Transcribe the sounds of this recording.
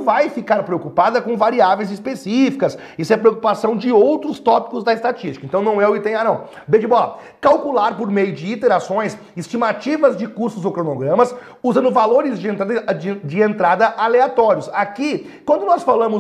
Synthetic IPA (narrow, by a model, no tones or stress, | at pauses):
vajfikaɾpɾeokupad̪ɐkõvaɾiavej̃zɪspesifikɐs | isʊɛpɾeokupasɐ̃w̃d͡ʒɪowt̪ɾʊst̪ɔpi̥kʊzd̪ɐɪst̪at͡ʃist͡ʃi̥kɐ̃nt̪ɐ̃w̃nɐ̃w̃ɛʊkɪt̪ẽj̃anɐ̃w̃ | bed͡ʒɪbɔlɐ | kawkulaɾpoɾmejʊd͡ʒɪit̪eɾasõj̃s | ist͡ʃimat͡ʃivɐzd͡ʒɪkuɾst̪ʊzowkɾonoɡɾɐ̃mɐs | uzɐ̃nd̪ʊvaloɾɪzd͡ʒɪẽd͡ʒd͡ʒɪẽnt̪ɾad̪ɐʔaleat̪ɔɾjʊsaki | kwɐ̃nd̪ʊnɔsfalɐ̃mʊ